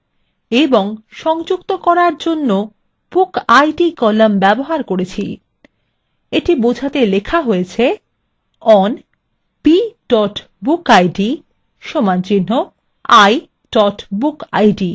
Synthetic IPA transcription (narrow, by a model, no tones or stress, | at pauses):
eboŋʃɔŋd͡ʑukt̪okɔɾaɾd͡ʑonːo | b̥ukajɖikɔlambɛboɦaɾkoɾet͡ɕʰil | eʈibod͡ʑʱat̪elekʰaɦoet͡ɕʰe | ɔn | piɖɔʈ | bukajɖi | ʃomant͡ɕinːo | aj | ɖ̥ɔʈbuka̰jɖi